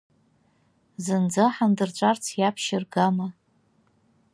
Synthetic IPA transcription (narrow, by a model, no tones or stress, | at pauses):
zɨnd͡zɨħandɨrt͡ʃʷʼart͡sʰjapʰʃɪrɡama